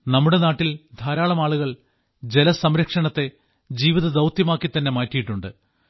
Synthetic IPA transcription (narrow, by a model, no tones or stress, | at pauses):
nɐmːuɽe̞naːʈːild̪ʱaːɾaːɭɐmaːɭuɣɐɭ | d͡ʑe̞lɐsɐmɾɐkʂɐɳɐt̪ːe̞ | d͡ʑiːʋiðɐd̪ɐwt̪jɐmaːkːit̪ːɐnːe̞maːtːijiʈːuɳɖɨ